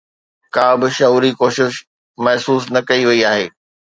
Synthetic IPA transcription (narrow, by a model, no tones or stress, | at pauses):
kaːbɪʃɐuːɾikoːʃɪʃ | mɐɦsuːsnɐkɐiʋɐiaːɦḛː